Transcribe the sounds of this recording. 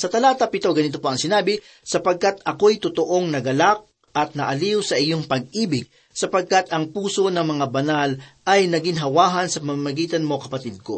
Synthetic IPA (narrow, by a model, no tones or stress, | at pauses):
sɐt̪ɐlaːt̪ɐpɪt̪oɡɐnɪt̪opoɐŋsɪnaːbɪ | sɐpɐɡ̚kat̪ʔɐko̞jt̪ʊt̪oʔo̞ŋnɐɡɐlak̚ | ɐt̪̚nɐʔɐliwsɐʔɪjoŋpɐɡ̚iːbɪɡ̚ | sɐpɐɡ̚kat̪ɐŋpuːso̞nɐŋmɐŋabɐnalʔɐjnɐɡɪŋɦɐwaːɦɐnsɐpɐmamɐɡiːt̪ɐnmo̞kɐpɐt̪id̪̚ko̞̰